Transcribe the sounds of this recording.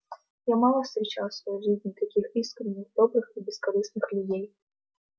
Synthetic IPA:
jamalˠɐfst̪ɾʲɛt͡ʃawsvɐjʐɨzʲnʲit̪akʲixiskɾɨnʲːiɣd̪ɔbɾɨxibʲɛskaɾɨsnɨxlʲud͡zʲej

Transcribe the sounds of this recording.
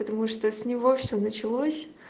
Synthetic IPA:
pət̪ɐmuʂt̪osʲnʲɪvo̞fsʲonət͡ɕɪlˠosʲ

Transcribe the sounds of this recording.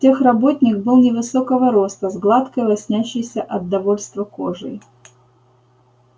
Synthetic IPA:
tʲexrɐbo̞t̪ʲnʲɪk̚bɨlˠnʲɪvɨsokəvəɾo̞st̪əzɡlˠat̪kəjvɐsʲnʲæɕːɪjsʲəʔɐd̪ːɐvo̞lʲst̪vəko̞ʐɨ̰j

